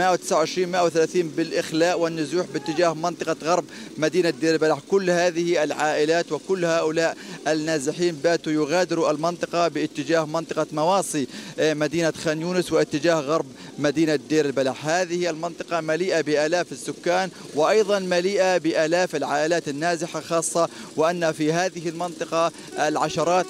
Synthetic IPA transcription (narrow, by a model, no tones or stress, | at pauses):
mɪʔawt̪ɪ̥sʕawʕɪʃɾiːnmɪʔawθalaːθiːnbɪlʔɪxlaːʔwɪnːʊzuːħbɪt̪ːɪd͡ʒaːhmɪnt̪ˤɨqɑɣɑɾˤb | mad̪iːnad̪eːɾɪlbalaħkʊlːhaːðɪhialʕaːʔɪlaːt̪wɪkʊlːhaːʔʊlaːʔʔɪnːaːzɪħiːnbaːt̪ujʊɣaːd̪ɪɾuʔalmɪnt̪ˤɨqɑbɪʔɪt̪ːɪd͡ʒaːhmɪnt̪ˤɨqɑmɑwɑːsˤimad̪iːnaxaːnjuːnɪswɪʔɪt̪ːɪd͡ʒaːhɣɑɾˤb | mad̪iːnad̪eːɾɪlbalaħhaːðɪhialmɪnt̪ˤɨqɑmaliːʔabɪʔaːlaːfɪsːʊkːaːn | wɪʔɑjðˤɑnmaliːʔabɪʔaːlaːfɪlʕaːʔɪlaːt̪ɪnːaːzɪħaxɑːsˤːɑwɪʔanːafiɦaːðɪhɪlmɪnt̪ˤɨqɑ | ʔalʕaʃɑɾˤɑːt̪